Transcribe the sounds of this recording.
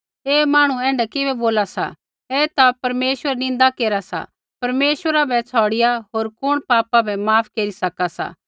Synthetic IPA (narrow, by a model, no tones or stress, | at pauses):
eːmaːɽ̃uɛ̃ːɳɖɛkɪbɛboːlasa̰ | ɛt̪apɐɾmeːʃwəɾnɪ̃nd̪akeːɾasa̰ | pɐɾmeːʃwəɾabʱɛt͡sʰɔːɽɪjaɦoːɾkʊɽ̃paːpabʱɛmaːpʰkeːɾisɐkasa̰ː